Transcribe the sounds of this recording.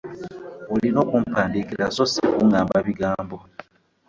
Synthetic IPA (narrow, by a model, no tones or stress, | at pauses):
olino̞ːkumpaːndikiɾasosikuŋaːmbaβiɡaːmbo̞